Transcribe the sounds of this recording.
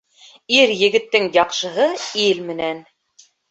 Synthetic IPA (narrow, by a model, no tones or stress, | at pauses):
iɾjɘ̆ɡɘ̆t̪ːɘŋjɑqʃɤ̆ɦɤilmɘ̆næn